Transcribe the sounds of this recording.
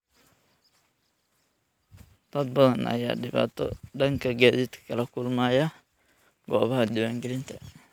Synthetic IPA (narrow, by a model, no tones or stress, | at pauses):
t̪ʰɐd̪̚bɐðɐnʔɐ̰ja̰ːɖɪβa̰ːt̪ʰɔ̰ɖɐŋkʰɐɡaːd̪ɪt̪ʰkʰɐlɐkʰʊlmaːjɐ | ɡɔːβɐɦɐd̪ɪwæŋɡɛlɪnt̪ʰɐ